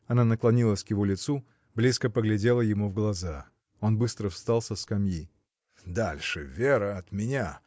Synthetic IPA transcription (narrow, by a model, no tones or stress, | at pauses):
ɐnanəklˠɐnʲilˠəsʲkjɪvolʲɪt̪su | blʲiskəpəɡlʲɪdʲe̞lˠəjɪmuvɡlˠɐza | o̞nbɨst̪ɾəfst̪alˠsʲəfskɐmji | d̪alʲʂɨvʲeɾəɐt̪mʲɪnʲa